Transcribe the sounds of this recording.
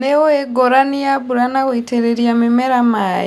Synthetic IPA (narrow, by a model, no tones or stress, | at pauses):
neoeɡoɾanijaβuɾanaɣoiteɾeɾiamimɛɾama